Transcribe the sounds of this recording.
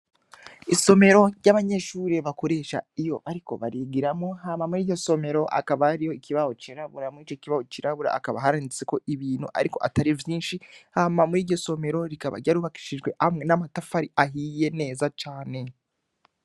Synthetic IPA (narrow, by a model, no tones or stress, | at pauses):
iso̞me̞ɾo̞ɾjaβaɲe̞ʃuːɾeβako̞ɾe̞ːʃa̰ijo̞̰βaɾiko̞̰βaɾiɡiɾamŋo̞hamamuɾiːɾɟo̞so̞me̞ɾo̞ʔa̰kaβaːɾijoikiβaho̞t͡ʃiɾaβuɾamuiːt͡ʃociβaho̞t͡ʃiɾaβuɾa̰ʔːkaβa̰ɦaɾanit͡seko̞ʔiβiːn̥hṵʔa̰ɾiko̞ʔataɾivjiːnʃihamamuɾiːɟo̞so̞me̞ɾo̞ɾikaβa̰ɾɟaɾuːβaki̥ʃiʒɡwe̞ʔamŋe̞namatafaɾiaɦiːje̞ne̞ːzat͡ʃaːne̞